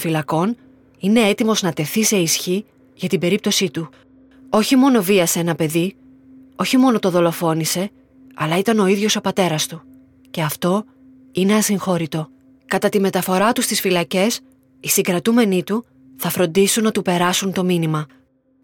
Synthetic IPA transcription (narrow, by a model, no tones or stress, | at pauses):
filɐko̞n | ine̞e̞t̪imo̞znɐt̪e̞θise̞isçi | ʝɐt̪ibe̞ɾip̚t̪o̞sit̪u | o̞çimo̞no̞viɐseenɐpe̞ði | o̞çimo̞no̞t̪o̞ðo̞lo̞fo̞nise̞ | ɐlɐit̪ɐno̞iðʝo̞so̞pɐt̪e̞ɾɐst̪u | ce̞ɐft̪o̞ | ine̞ɐsiŋxo̞ɾit̪o̞ | kɐt̪ɐt̪ime̞t̪ɐfo̞ɾɐt̪ust̪isfilɐce̞s | isiŋɡɾɐt̪ume̞nit̪u | θɐfɾo̞nd̪isunːɐt̪upe̞ɾɐsunt̪o̞minimɐ